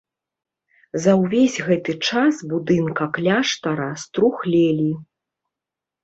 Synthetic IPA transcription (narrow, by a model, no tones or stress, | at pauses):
zɐwvʲesʲɣɛt̪ɨt͡ʂasbud̪ɨnkɐklʲaʂt̪ɐɾɐst̪ɾuxlʲelʲi